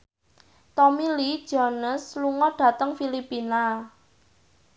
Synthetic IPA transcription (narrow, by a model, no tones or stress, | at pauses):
t̪ɔmilid̥ʒ̥ɔnəsluŋɔɖ̥ä̤t̪əŋfilipina